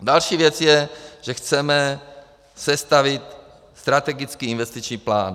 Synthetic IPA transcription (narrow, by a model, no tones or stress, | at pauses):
dalʃiːvjɛt͡sjɛʒ̥ɛxt͡sɛmɛ | sɛst̪avɪt̪ | st̪ɾat̪ɛɡɪt͡skiːinvɛst̪it͡ʃɲiːplaːn